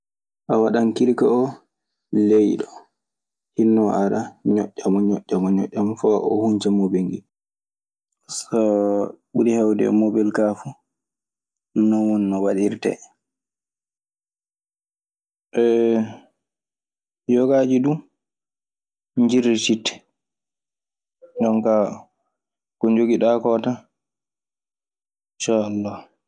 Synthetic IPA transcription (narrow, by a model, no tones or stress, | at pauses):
ʔawaɗankiɾkaɔ | lejɗɔ | hinːɔʔaɾaɲɔ̰ʔʲːamɔɲɔ̰ʔʲːamɔɲɔ̰ʔːamfaʔɔ̰huɲd͡ʒɛmɔbeŋɡḭ | sɔɓuɾihawdɛ̰mobɛlkafu | nɔwɔnːɔwaɗiɾtɛ̰ | ʔɛ | jɔɡad͡ʒidu | ɲd͡ʒiɾititːɛ̥ | ɗɔnka | kɔɲd͡ʒoɡiɗakɔta | nʃaalːah